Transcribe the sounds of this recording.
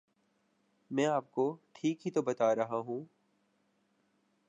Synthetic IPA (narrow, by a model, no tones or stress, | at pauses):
mɛ̃ːaːp̚koʈʰiːkɦit̪obɐt̪aːɾɐɦaɦũː